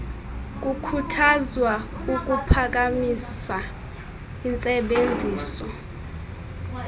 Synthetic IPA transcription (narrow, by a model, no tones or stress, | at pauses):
k̬ʼukʰutʰazwauk̬ʼupʰak̬amisa | int͡sʼɛɓend͡zʱiːsɔ